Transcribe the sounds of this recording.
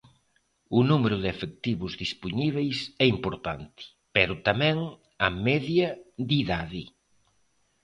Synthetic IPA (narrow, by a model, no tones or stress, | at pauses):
ʊnumeɾʊðɪefek̚t̪iβʊzðispuɲiβ̞ejsɛimpoɾt̪a̰nt̪ɪ̥ | pɛɾʊt̪amɛ̃ŋ | amɛðjɐðiðaðɪ